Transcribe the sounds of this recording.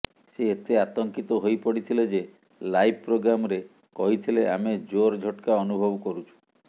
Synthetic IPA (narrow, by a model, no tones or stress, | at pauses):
seːt̪eat̪ɔŋkit̪ɔɦojpɔɽit̪ʰiled͡ʒe | lajb̚pɾoɡɾamɔɾe | kɔɦit̪ʰileʔa̰med͡ʒoɾd͡ʒʱɔʈkaɔnubʱɔbɔkɔɾut͡ʃʰu̥